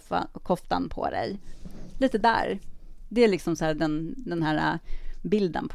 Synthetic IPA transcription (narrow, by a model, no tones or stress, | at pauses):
a̰kʰɔft̪a̰npʰɔ̰d̪ɛ̰jliːt̪əd̪æ̰ːɾd̪ɛælɪksɔmsæːɖɛnd̪ɛnhæːɾa̰bɪld̪ə̰npʰ